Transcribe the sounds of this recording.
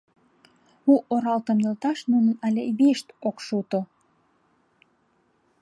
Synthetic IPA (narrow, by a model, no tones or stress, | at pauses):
uʔoɾɑlt̪əmnelt̪ɑʃnunənɑlʲeβeʃt̪okʃut̪o